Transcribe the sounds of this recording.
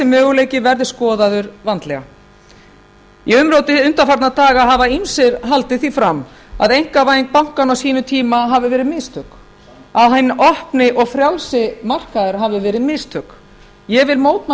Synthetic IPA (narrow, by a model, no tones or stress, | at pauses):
sɪmːœːɣʏleːjcɪvɛɾðɪskɔːðaðʏɾvant̪lɛɣa̰ | iʏmɾowt̪ɪʏnt̪afaɾt̪nat̪aːɣaɦavainsɪɾɦalt̪ɪθifɾam | a̰ðejŋ̥kavaːjɪŋk̚pawŋ̥kanawsiːnʏt̪ʰiːmaɦavɪvɛːɾɪmɪst̪ʰœk | aðɦajnːʔɔhpnɪʔɔɣfɾjawlsɪmar̥kaðɪɾ̥ɦavɪvɛːɾɪmɪst̪ʰœk | jɛɣvɪlmoːwt̪m